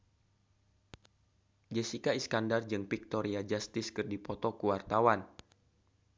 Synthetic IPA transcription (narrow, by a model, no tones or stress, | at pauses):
d͡ʒɛsikaiskandard͡ʒɨŋpik̚t̪ɔɾiad͡ʒast̪ɪskɨrdipɔt̪ɔkuwart̪awan